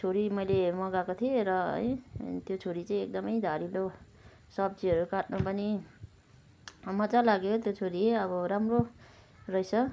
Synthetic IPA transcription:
t͡sʰoɾimʌjlemʌɡakot̪ʰieɾʌʌ̰jt̪jot͡sʰoɾit͡saĩek̚d̪ʌmʌjd̪ʱaɾilo | sʌb̚d͡ziʌɾukaʈnupʌni | mʌt͡salaɡjot̪jot͡sʰoɾieʌbʌɾamro | rʌjsʌ

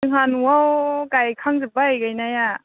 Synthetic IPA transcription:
ɯŋɦanwawkajkʰaŋzɯbaajɡajnaja

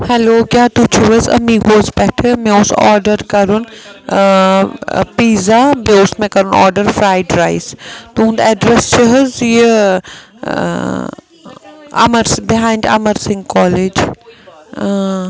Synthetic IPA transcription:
hɛloːkjaːt̪ut͡ʃʰuʋəzɐ̰miɡoːzbɛʈʰəmɛ̃ʊsɔːɾɖəɾkɐɾun | piːzabeosmẽkɐɾunɔ̰ːɾɖəɾfɾaːjɖɾaːɪst̪uũnd̪ɛɖɾɛst͡ʃʰəɦɐzjə | ɐ̰məɾsbɪɦãːɪɳɖɐ̰məɾsɪ̃ŋɡkɔːled͡ʒ

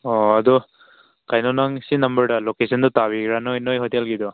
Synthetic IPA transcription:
ɔad̪ɔ | kajnɔnaŋsinɐmbəɹɖalokesɔnd̪ɔt̪abiɡɾanɔjnɔjɦɔt̪ialɡid̪ɔ

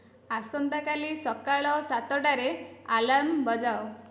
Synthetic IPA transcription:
asɔnt̪akalisɔkaɭɔsat̪ɔʈaɾealambɔd͡ʒao

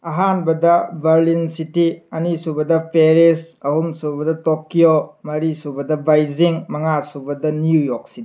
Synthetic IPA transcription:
ɐɦanbɐdɐbʱɐɾlinsitiɐnisubɐdɐpʰeɾes | ɐhumsubɐdɐtokːijomɐɾisubɐdɐbajziŋmɐŋasubɐdɐnjujok̚si

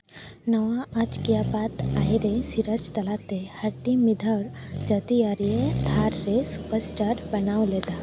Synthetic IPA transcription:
nəʋaɐd͡ʒkijapat̪ajɾesiɾət͡ʃt̪əlat̪ehəɾʈimid̪ʱəɾd͡ʒəd̪iaɾijet̪ʰaɾːesupəɾsʈaɾbɐnawled̪a

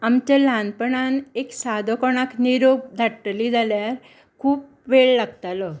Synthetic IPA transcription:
amt͡ɕalanpəɳaneksad̪ʱokɔɳ̃akniɾoɡ̚d̪ʱaʈːliːd͡zaljaɾ | kʰuːp̚ | ʋeɭlaɡt̪alɔ

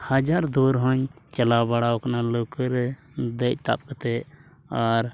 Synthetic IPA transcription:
həd͡ʒaɾd̪oɾɦəɲt͡ʃəlabaɽaoknalokəɾe | d̪et̪a̰p̚kət̪e | ɔɾ

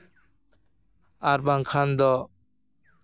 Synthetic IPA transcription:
aɾbaŋkʰand̪ɔ

